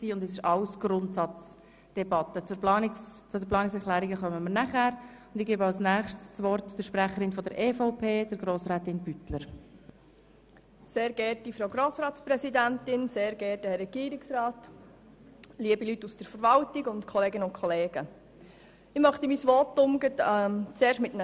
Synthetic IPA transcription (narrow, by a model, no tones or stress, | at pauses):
siːʊndɛsɪʃɑʊsɡ̥ɾʊntsɑt͡s | d̥ɛbɑt̪ːət͡sʊplɑːnɪst͡sʊdəplɑːnɪksɛɾχlæːɾiɡəχœməməɾnæχæɾʊnd̥ɪɡeːbəɑwsnæːχʃtsvɔrtd̥əɾʃpɾæχəɾɪnfɔdəɾʔeːfoʊpʰeːd̥əɾɡɾoːsɾɛːtɪnbytləɾ | seːɾɡɛɾtifɾoʊɡɾoːsɾɑːtspɾɛsidæntɪnseːɾɡɛːɾtəhɛɾːɛɡ̥iːɾɪksɾɑːt | liəbilytːusd̥əɾfəɾʋɑltɪɡʊntkʰɔleːɡənʊntkʰχɔleːɡ̥ə | ɪχmœχt̪əmisʋɔtːʊmɡətɛt͡seːɾʃtmɪtn